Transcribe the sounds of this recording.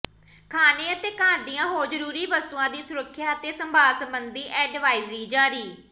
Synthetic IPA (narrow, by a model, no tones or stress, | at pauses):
kʰaːneːət̪eːkaːɾd̪ijãːɦoːzəɾuːɾiːʋəst̪uːãːd̪iːsʊɾəkʰːjaːət̪eːsəmbʱaːlsəmbənd̪iːʔɛːɖʋaːizɾiːd͡ʒaːɾiː